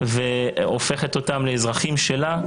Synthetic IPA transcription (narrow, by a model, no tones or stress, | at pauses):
veofe̞χet̪o̞t̪amleːzʁaχimʃela